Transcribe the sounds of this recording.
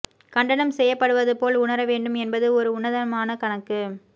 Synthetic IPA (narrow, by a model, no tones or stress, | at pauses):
kɐɳɖɐnɐmsɛjːɐpːɐɽɯʋɐðɯpoːlʊɳɐɾɐʋeːɳɖɯmɛnbɐðɯɔɾɯʊɳɐðɐɐmaːnɐkɐɳɐkːɯ